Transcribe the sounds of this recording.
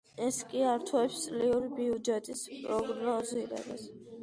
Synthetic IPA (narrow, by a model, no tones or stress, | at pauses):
ɛskʼiaɾt̪ʰwɛpst̪sʼliuɾibiud͡ʒɛt̪ʼispʼɾɔɡɾnɔziɾɛ̰ba̰s